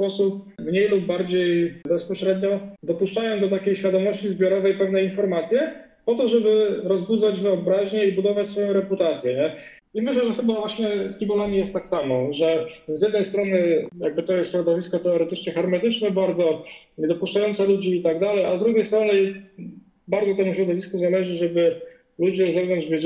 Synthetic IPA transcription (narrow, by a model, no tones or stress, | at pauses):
spɔsup̚ | vɲejlubːaɾd͡ʑejbɛspɔɕɾɛd̪ɲɔd̪ɔpuʂt͡ʂajɔ̃w̃d̪ɔt̪akʲejɕfʲjad̪ɔmɔɕt͡ɕizbʲjɔɾɔvɛjpɛvnɛinfɔɾmat̪sʲjɛ | pɔt̪ɔʐɛbɘɾɔzbud̪zad͡ʑvɘɔbɾaʑɲɛibud̪ɔvat͡ɕsfɔjɔ̃w̃ɾɛput̪at̪sʲjɛɲɛ | imɘɕlɛʐɛxɘbavwaɕɲɛskʲibɔlamʲijɛst̪ːaksamɔʐɛzʲjɛd̪nɛjst̪ɾɔnɘjaɡ̚bɘt̪ɔjɛst̪ɕɾɔd̪ɔvʲiskɔt̪ɛɔɾɛt̪ɘt͡ʂɲɛxɛɾmɛt̪ɘt͡ʂnɛbaɾd̪zɔɲɛd̪ɔpuʂt͡ʂajɔnt̪sɛlud͡ʑiːt̪aɡd̪alɛjazd̪ɾuɡʲejst̪ɾɔnɘ | baɾd̪zɔt̪ɛmuɕɾɔd̪ɔvʲiskuzalɛʐɘʐɛbɘ | lud͡ʑɛzɛvnɔɲd͡ʑvʲjɛ